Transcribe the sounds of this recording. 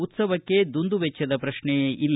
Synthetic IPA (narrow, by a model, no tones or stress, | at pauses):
ut̪sɐʋɐkːe̞d̪und̪uʋɛt͡ʃːɐd̪ɐpɾɐʂɳɛʔilː